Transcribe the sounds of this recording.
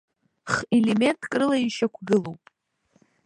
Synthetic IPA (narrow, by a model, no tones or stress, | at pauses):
χeleme̞ntʼkʼrɨlaiʃakʷʰɡɨlowpʼ